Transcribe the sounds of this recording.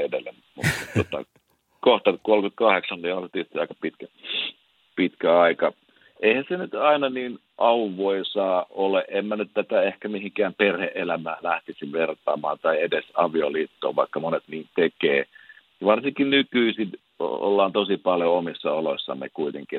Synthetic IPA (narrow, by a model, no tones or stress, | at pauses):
edelːe | mṵt̪ot̪ɑ̰ | koht̪ɑkolkyt̪̚kɑheksɑnniolst̪ist̪iɑikɑ̥pit̪kæ | pit̪kæɑikɑ | ʔeihænsenyt̪ɑinɑniːn | ʔɑuʋoisɑːoleʔʔemːænyt̪t̪æt̪æehkæmihiŋkæːmperheʔelæmæːlæht̪isiʋʋert̪ˑɑ̰ːmɑ̰ːnt̪ɑiedesɑʋioliːt̪ːo̰ːʋʋɑ̰ikːɑmonet̪niːnt̪ekeː | jʋɑrsiŋkinnykyisin | o̰o̰lːɑːnt̪osipɑljoomisːɑoloisːɑ̰mmḛkuit̪eŋki